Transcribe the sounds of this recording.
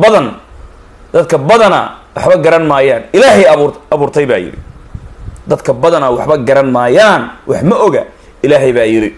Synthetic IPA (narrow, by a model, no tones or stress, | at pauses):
bɐðɐn | d̪̥ɐd̪kʰɐbɐðɐnɐ̰wɑħbɐɡɐɾɐnmaːjaːnɪlaːɦɛjɐβuːrt̪ʰɛjβa̰ːjɪ̰ɾɪ̰ | d̪ɐd̪kʰɐbɐðɐnɐwɑħbɐɡɐɾɐnmaːjaːnwɑħmɐʔɔɣɐ | ɪlaːɦɛjβaːjɪɾɪ